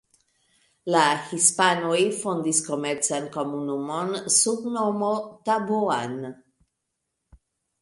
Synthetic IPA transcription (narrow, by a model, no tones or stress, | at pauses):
lahispanujfond̪iskomeɾt͡sankomunumonsubnomot̪abuan